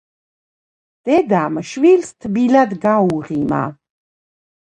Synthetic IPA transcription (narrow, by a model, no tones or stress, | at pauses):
d̪̥ɛd̪amʃwilst̪ʰbilad̪ɡauʁima̰